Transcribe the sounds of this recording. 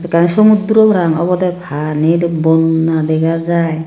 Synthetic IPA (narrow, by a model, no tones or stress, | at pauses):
dɛkansɔmud̪uɾɔbɔɾaŋɔ̰bɔd̪abʰʱaniɾbɔnːadɛɡazaj